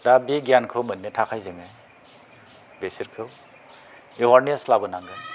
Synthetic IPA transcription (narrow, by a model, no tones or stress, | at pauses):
dabeɡjankʰɯwmɯnːɯtʰakʰajzɯŋɯj | besiɾkʰɯw | ewaɾnieslabɯnaŋɡɯj